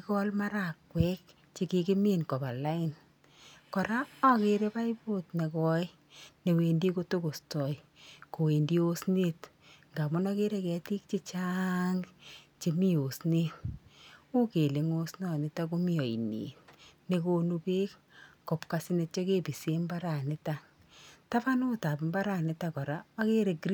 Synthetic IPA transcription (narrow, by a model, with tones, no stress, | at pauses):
ikɔ˦lma˦ɾa˨kːwɛ˦k̚ | t͡ʃe˨ki˧kɪ˦mi˦nkɔ˨pa˨la˦ɪ˨n | kɔ˨ɾa˦a˦ke˦ɾe˦pa˦i˦po˦tne˨kɔ˦j | ne˨we˨ndi˦ko˦to˦ko˨stɔ˨j | ko˨we˨ndi˦o˦sne˦t | ŋɡa˨mʊ˦nɔ˦ke˦ɾe˦kɛ˨ti˦k̚t͡ʃi˦t͡ʃa˦ŋɡt͡ʃe˨mi˦o˨sne˦t | u˦ke˨le˨ŋo˦snɔ˨nɪ˨ta˦k̬o˦mi˦ɔ˨i˨nḛ˨tne˨ko˦nu˧pe˦k | ko˨pka˨sine˧t̚t͡ʃɔ˦ke˦pi˨se˦mba˦ɾa˨nɪ˦ta˨ | ta˦pa˦no˦ta˨pmba˦ɾa˨nɪ˦ta˨kɔ˨ɾa˦ɔ˦ke˦ɾe˨kɾi